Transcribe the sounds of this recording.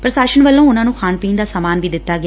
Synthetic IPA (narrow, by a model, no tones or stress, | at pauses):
pɾəsaːʃənʋəlːõːʊnãːnũːkʰaːnpiːnd̪aːsaːmaːnʋiːd̪ɪt̪ːaːɡɪa